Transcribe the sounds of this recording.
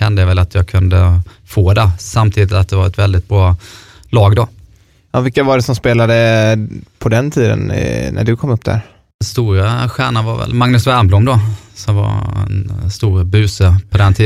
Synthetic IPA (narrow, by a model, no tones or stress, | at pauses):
ɛnd̪əjavɛlat̪jɑːɡkʰɵnd̪ə | foːd̪ɛsamt̪ʰiːd̪ɪt̪at̪̚d̪ɛvaɾɛt̪vɛld̪ɪt̪̚b̥ɾɑː | lɑːɡd̪ɔ | ɑvɪkːavaɖɛsɔmspeːlad̪ə | pʰɔd̪ɛnt̪ʰiːd̪ə̰nnæ̰ɖɵkʰɔmːɵpːd̪æ̰ɾ | nst̪uːɾaɧæːɳanva̰ɾvɛ̰lmaŋnɵsvæɾmblumd̪ɔsɔmva̰ɾɛ̰nst̪uːɾbʉ̟ːsəpʰɔd̪ɛnt̪ʰiː